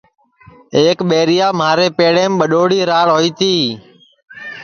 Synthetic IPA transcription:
eːkɓeːɾɪjaːmaːɾeːpeːɽeːmɓəɗoːɽiːɾaːɽɦoːiːt̪iː

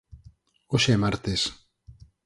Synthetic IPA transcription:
oʃɛmaɾt̪es

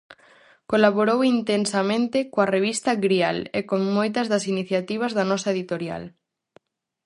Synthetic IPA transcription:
kolaβoɾowint̪ensɐmẽnt̪ɪkoɐreβist̪ɐɡɾialekoŋmojt̪ɐzðɐsiniθjat̪iβ̞ɐzðɐnɔsɐeðit̪oɾja̰l

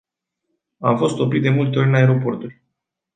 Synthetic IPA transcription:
a̰mfo̞st̪o̞pɾit̪̚d̪e̞mult̪e̞o̞ɾʲnae̞ɾo̞po̞rt̪ulʲ

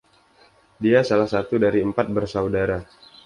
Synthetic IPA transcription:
diasalahsat̪udaɾiəmpat̪̚bərsawdaɾa

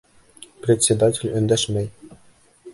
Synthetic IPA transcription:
prʲet̪ʲsʲed̪atʲelʲɵ̆nd̪æʂmʲɘjʲ

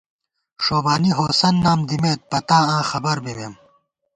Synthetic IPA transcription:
ʂoːbaːniɦoːsɐnːaːmd̪imeːt̪̚pɐt̪aːãːxɐbɐɾbemeːm

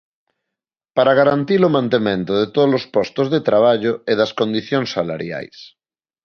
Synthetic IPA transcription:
paɾaɣ̞aɾant̪ilomãnt̪emẽnt̪oðet̪oðolospɔst̪ozðet̪ɾaβ̞aʎoeðɐskõnd̪iθjõŋsːala̰ɾja̰js

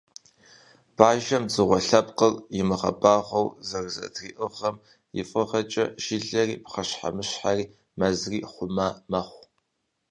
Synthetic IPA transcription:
b̥aːʒɐmd͡zɨʁʷɔɬɐpqərjɪmɨχɐ̰baːχʷɐwzɐrzɐ̰tʰriːʔɨʁɐm | jɪ̰fʼɨʁɐt͡ʃʼɐʃɪɮɐriːpχɐɕħa̰mɨɕħariː | mɐzriːχʷʊmaːmɐχʷ

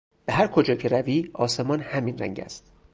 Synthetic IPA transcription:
b̥eɦæɾkʰod͡ʒɒːcʰe̞ɾæviːɒːse̞mɒːnhæmiːnræ̰ŋɟæ̰st̪

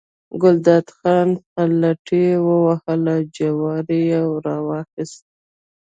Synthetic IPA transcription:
ɡʊld̪ɑd̪xɑnpalaʈiwəwahəlad͡ʒawɑɾijawɾɑwɑxɪst̪̚

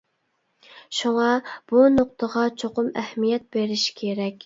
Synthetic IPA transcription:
ʃuŋɑb̥unoq̚t̪ʰəʁɑt͡ʃʰoqʊmɛhmijɛt̪̚beɾɪʃkʲʰeɾɛkʲ

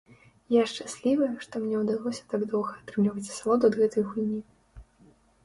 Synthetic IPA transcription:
jaʂt͡ʂasʲlʲivɨjʂt̪ɔmnʲɛwd̪alˠɔsʲɐ̥t̪aɡd̪ɔwɣɐːt̪ɾɨmlʲivɐt͡sʲsalˠɔd̪uɐd̪ɣɛt̪ɐjɣulʲnʲi

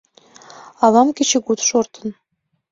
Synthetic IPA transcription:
ɑlɑmkʲĕt͡ɕĕkut̪ʃort̪ɤ̆n

